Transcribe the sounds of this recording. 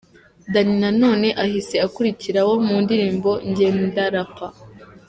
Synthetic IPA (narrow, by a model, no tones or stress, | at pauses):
daninano̞ːne̞ʔahise̞akuɾiciɾawo̞muːndiɾiːmbo̞ɲɟe̞ːndaɾapa